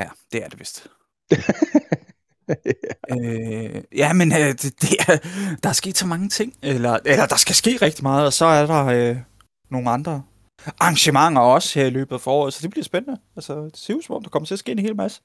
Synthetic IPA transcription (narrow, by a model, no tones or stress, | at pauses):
jæd̥e̝æɐd̥e̝ʋesd̥ | ø | jæmenød̥d̥e̝æd̥ɑ̈ɑsɡ̥e̝̰ːd̥sɒ̽mɑ̈ŋət͡sʰe̝ŋ̰elɐelɐd̥ɑ̈sɡ̥æsɡ̥e̝̰ːʁɛɡ̥̚d̥imɑ̈ːð̞̩ˠɒ̽sɒ̽æɐɾ̥ɑ̈ø | no̝ːŋn̩ɑ̈nd̥ʁɐ | ʔɑ̈ŋɕəmɑ̈ŋ̰ɐɒ̽sheɐ̰ilø̰ːb̥ð̩ˠfɒːɒ̰ɔ̰ːð̩ˠsɒ̽d̥eb̥liɐsb̥enənəælsə̥seusmɒ̽md̥ɑkɒ̽mɐt͡sʰe̝ɐsɡ̥e̝̰ːenhe̝ːlmæsə̥